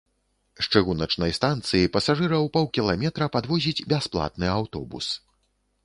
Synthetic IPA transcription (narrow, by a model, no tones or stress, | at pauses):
ʂt͡ʂɨɣunɐt͡ʂnɐjst̪ant̪sɨjipɐsaʐɨɾɐwpɔwkʲilˠamʲɛt̪ɾɐpad̪vɔzʲid͡zʲbʲasplˠa̰t̪nɨawt̪ɔ̰bṵs